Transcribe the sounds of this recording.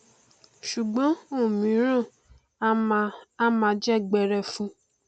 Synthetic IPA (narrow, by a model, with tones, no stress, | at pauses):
ʃu˨ɡ͡bɔ̃˨˦o˦˨mĩ˨˦ɾõ˦˨˦ | a˦mã˧˦d͡ʒɛ˦ɡ͡bɛ˧ɾɛ˧fũ˧